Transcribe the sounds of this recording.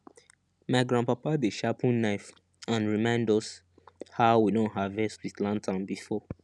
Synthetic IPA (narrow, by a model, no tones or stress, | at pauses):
maɪɡɹãnpapadeʃapĩnnaɪf | ãnɹimãɪ̃ndɔs | haʊwidõnɦavɛstwitlãntʰãnbifɔ